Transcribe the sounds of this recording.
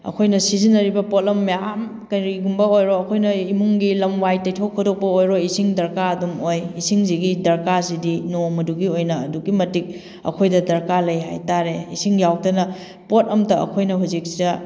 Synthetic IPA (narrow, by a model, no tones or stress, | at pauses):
ɐ̰kʰojnɐsizinːɐɾibɐpotɐmːejam | kɐjɾiɡumbɐojɾoɐkʰojnɐimuŋɡilɐmwajtːɐjtʰokʰːodok̚pɐojɾoisiŋdɐɾkaɐdumojisiŋziɡidɐɾkazidinomɐduɡiojnɐːduɡimɐtik̚ | ɐ̰kʰojdɐdɐɾkalɐjɦa̰jtaɾeisiŋjaw̚tɐnɐ | pot̚ɐmtɐɐ̰kʰojnɐɦuzik̚sidɐ